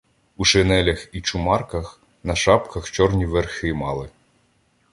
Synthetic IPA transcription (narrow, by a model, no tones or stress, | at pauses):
uʃenɛlʲɐxit͡ʃʊmɑrkɐx | nɐʃɑpkɐxt͡ʃɔrnʲiʋerxɪmɑlˠɪ